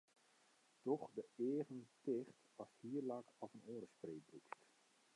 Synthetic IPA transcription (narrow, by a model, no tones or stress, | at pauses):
tɔχdəeːəɣəntɪχt | ɑshiːrlakɑvənoːdəspreːbrukst